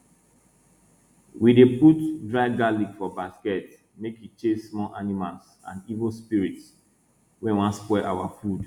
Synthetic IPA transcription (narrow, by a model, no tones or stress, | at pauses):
wideputdɹaɪɡalikfɔbaskɛt | mekit͡ʃesːmɔlʔanimals | ã̰nivolspiɹits | wɛ̃nwãnspɛʔawafud